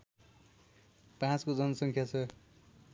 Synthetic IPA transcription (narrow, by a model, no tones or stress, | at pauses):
pãt͡skod͡zʌnʌsʌŋkʰjat͡sʰʌ